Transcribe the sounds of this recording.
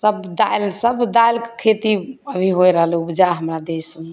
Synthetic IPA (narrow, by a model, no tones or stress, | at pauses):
səbd̪alsəbd̪ajlkkʰet̪iəbʱiɦojɾəɦəlubd͡ʒaɦəmɾad̪esu